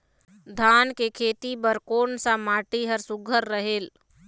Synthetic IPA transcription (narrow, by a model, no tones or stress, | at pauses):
d̪ʱaːnkekʰeːt̪ibəɾkoːɳsãmaːʈiɦəɾsʊɡʱəɾːəɦeːl